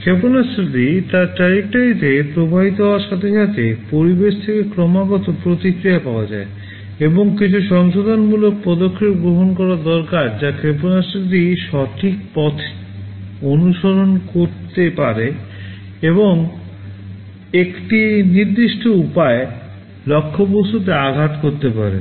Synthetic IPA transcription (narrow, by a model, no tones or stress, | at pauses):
kʰeponasɾit̪it̪aɾʈɾaɾek̚ʈaɾit̪epɾobʱabit̪̬oɦɔoaɾʃat̪ʰeʃat̪epoɾibeʃt̪ʰekekɾɔmaɡɔt̪opɾot̪ikɾijapaoad͡ʑa̰e | eboŋkit͡ɕʰuʃɔŋʃod̪ʱonmulok̚pɔd̪okʰːeɾɡɾoɦonkɔɾad̪ɔɾkaɾd͡ʑakɾeponasit̪iʃɔʈʰik̚pɔt̪ʰ | onuʃoɾonkoɾt̪epaɾe | eβoŋ | ekʈiniɾd̪iʃʈʰoupae | lɔkʰːoposut̪eaɡʱat̪koɾt̪epa̰ɾḛ